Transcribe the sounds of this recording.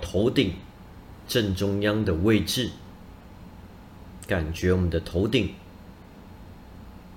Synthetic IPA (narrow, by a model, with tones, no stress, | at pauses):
t̪ʰo˧˥ʊt̪i˨˩ŋ | ʈ͡ʂə˥˩ŋʈ͡ʂʊ˥ŋjɑ˥ŋd̪ə˨we˥˧ɪʈ͡ʂɻ̩˥˩ | ka˨˩nt͡ɕɥɛ˧˥wɔ˨˩mə˨nd̪ə˧t̪ʰo˧˥ʊt̪i˨˩ŋ